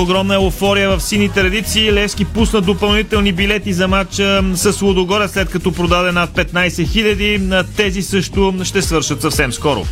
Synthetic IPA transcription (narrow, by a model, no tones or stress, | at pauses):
oɡɾɔmnəɛlˠofɔɾijəvɐfsinit̪ɾɐd̪it̪siːlɛfskipusnət̪̚d̪opɐlˠnit̪ɛlˠnibilɛt̪izɐmat͡ʃəsəslˠod̪oɡɔɾɛslɛt̪̚kɐt̪ɔpɾod̪ad̪ɛnat̪̚pɛt̪najsɛxiʎʲɐd̪it̪ɛzisɤʃt̪ʊʃt̪ɛsvɤɾʃət̪sɐfsɛmskɔɾʊ̰